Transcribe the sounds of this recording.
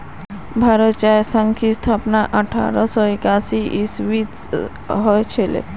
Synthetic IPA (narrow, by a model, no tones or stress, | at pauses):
bʱaɾət̪t͡ʃajsəŋkʰist̪ʰaːpnaʔəʈʰa̰ɾəsɔɪkasiʔisʋit̪ | ɦɔjt͡ʃʰelḛ